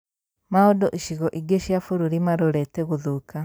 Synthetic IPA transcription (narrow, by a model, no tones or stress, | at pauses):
maɔdɔʔiʃiɣɔʔiɡeʃjafuɾuɾimaɾoɾɛtɛɣuðuka